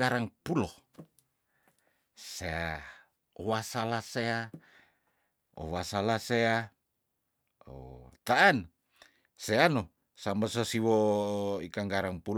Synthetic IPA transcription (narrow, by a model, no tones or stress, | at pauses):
aɾaŋpulo | sea | owasalasea | o̰wasalasea | o̰t̪aːn | seano | sambasosiwoikaŋɡaɾaŋpul